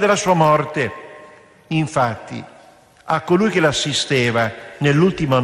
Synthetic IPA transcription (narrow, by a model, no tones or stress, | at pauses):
d̪elasuːamɔrt̪e | iɱfat̪ːḭ | akːolujk̟elasːist̪eːvanelːult̪imo